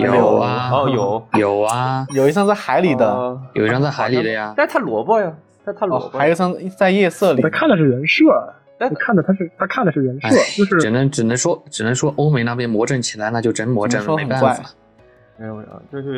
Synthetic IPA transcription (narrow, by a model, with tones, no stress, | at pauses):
jo˨˩˨ʊɐ˧jo˨˩˦jo˨˩ʊɐ˧jo˨˩ʊi˥jɑ˥˧ŋt͡sa˥˩ɪxa˧˥ɪli˨˩d̪ə˦jo˨˩i˥jɑ˥˧ŋt͡sa˥˩xa˧˥ɪli˨˩d̪ə˦ja˧a˥˧t̪ʰa˥lwɔ˧˥pɔ˥ja˨˩t̪a˥˩t̪ʰa˥lɔ˧˥xa˥˧˥jo˨˧˩ɕjɑ˥˧ŋ˥t͡sa˥˧ɪjɛ˥˧sɤ˥˩li˨t̪ʰkʰa˥˩nd̪ə˩ʂɻ̩˥˩ɻə˧˥nʂɤ˥˩˥ | i˨˩kʰa˥˩nd̪ə˩t̪ʰa˥ʂɻ̩˥˩t̪ʰa˥kʰa˥˩nd̪ə˩ʂɻ̩˥˩ɻə˧˥nʂɔ˥˩t͡ɕjo˥˧ʊʂɻ̩˥˧ʈ͡ʂɻ̩˨˩nə˧˦˥ŋʈ͡ʂɻ̩˨˩nə˧˥ŋʂwɔ˥ʈ͡ʂɻ̩˨˩nə˧˦˥ŋʂwɔ˥ʔo˥ʊme˧˥ɪna˥˩p̬jɛ˥nmwɔ˧˥ʈ͡ʂə˥˩ŋt͡ɕʰi˨˩la˨˧˥na˥˧t͡ɕjo˥˩ʊʈ͡ʂə˥nmwɔ˧˥˧ʈ͡ʂə˥˩nle˧˨pa˥˩wa˥˩˨ | o˥˧˥